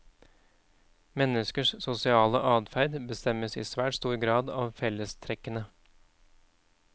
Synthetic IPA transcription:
mɛnəskəʂsʊsɪɑːləʔɑːd̪fæɾd̪bəst̪ɛməsḭːsʋæːʈst̪uːɾɡɾɑːd̪ɑːʋfɛləst̪ʰɾɛkːənə

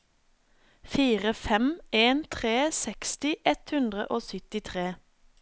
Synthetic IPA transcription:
fiːʁəfɛmeːnt̪ʰʁeːsɛkst̪ɪʔɛt̪hʉnd̪ʁə̰ʔoːsʏt̪ɪt̪ʰʁeː

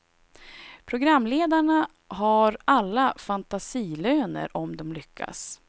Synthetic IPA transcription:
pʰɾʊɡɾamːleːd̪aɳa | ɦaɾalːafant̪asiːløːnə̰ɾʔɔmd̪ɔmlʏkʰːa̰s

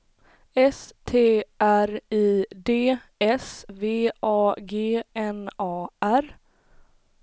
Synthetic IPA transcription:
ɛst̪ʰeːʔæɾiːd̪eːɛsveːʔɑːɡeːɛnɑːʔæɾ

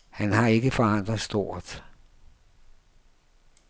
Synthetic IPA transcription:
hænhɑ̈e̝ɡ̥əfɒ̽ɑn̰d̥ʁɐðˠsd̥o̝ːɐ̰d̥

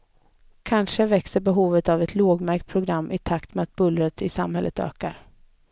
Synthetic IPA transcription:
kʰanʂəvɛksəɾbɛɦuːvət̪avɛt̪ʰloːɡmæɾk̚t̪̚pʰɾʊɡɾamːʔɪt̪ʰakt̪mɛat̪̚bɵlɾət̪ʰɪsamhɛlːət̪ø̰ːkaɾ

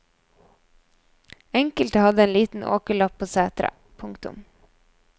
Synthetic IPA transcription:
ɛŋkəlt̪əhɑd̪əeːnliːt̪n̩ʔo̰ːkəɭɑpʰːoːseːt̪ɾə̰ | pʰʊŋkt̪ʊ̰m

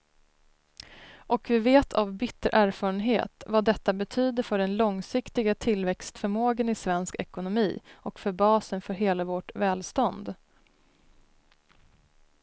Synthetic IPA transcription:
ʔɔkvɪveːt̪ʰavbɪt̪ʰːəɾʔæːɾfɑːɾənɦḛːt̪vad̪ɛt̪ːabɛt̪ʰyːd̪əɾfœɖɛnlɔŋsɪkt̪ɪɡat̪ʰɪlvɛkst̪fœɾmoːɡənɪsvɛnskɛ̰kʊnʊmiːɔkfœbɑːsənfœɾɦeːlavɔʈvɛːlst̪ɔnd̪

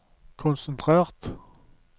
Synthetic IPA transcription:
kʰʊnsənt̪ʰʁeːʁt̪

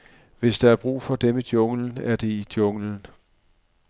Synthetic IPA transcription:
ʋe̝sd̥ɑ̈æɐb̥ʁṵːfɒ̽d̥emid̥jɔ̽ŋln̩æɐd̥e̝id̥jɔ̽ŋln̩

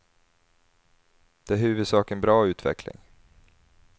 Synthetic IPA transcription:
d̪̥ɛæɦʉ̟ːvɵd̪sɑːkənbɾɑːʉ̟ːt̪ʰvɛ̰klɪ̰ŋ

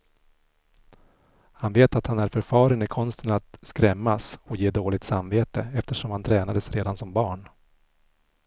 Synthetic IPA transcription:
hanveːt̪at̪hanæɾfœɾfɑːɾənɪkʰɔnst̪ʰənat̪skɾɛmːasɔjeːd̪oːlɪɡ̚t̪samveːt̪əɛft̪əʂɔmhant̪ʰɾɛːnad̪əsɾeːd̪ansɔmbɑːɳ

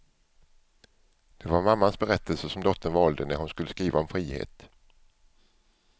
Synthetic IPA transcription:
d̪̥ɛvaɾmamːansbɛɾɛt̪ʰːəlsəʂɔmd̪ɔt̪ʰːənvɑːld̪ənæɾhʊnskɵlːəskɾiːvaɔmfɾiːhḛːt̪

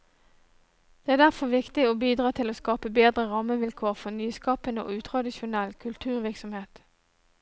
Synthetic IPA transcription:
d̪̥eːæːʁd̪æʁfɔʁʋɪkt̪ɪoːbiːd̪ʁɑːt̪ʰɪloːskɑːpəbeːd̪ʁəʁɑməʋɪlkʰoːʁfɔnyːskɑːpənəo̰ːʉːt̪ʰʁɑd̪ɪʃʊnɛlkʰʉlt̪ʰʉːʁʋɪʁksɔmheːt̪

